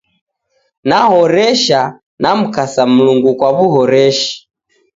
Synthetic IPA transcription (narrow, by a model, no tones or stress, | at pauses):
nahɔɾɛʃa | nam̩kasam̩luŋɡukwaβuhɔɾɛʃi̥